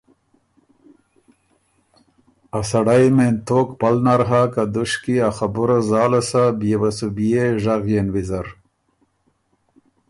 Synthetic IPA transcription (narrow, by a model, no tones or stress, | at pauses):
asaɽajment̪okpalnaɾɦakad̪uʃkiaxabuɾazɑːlasabjewasubijeʒaɣjenwizaɾ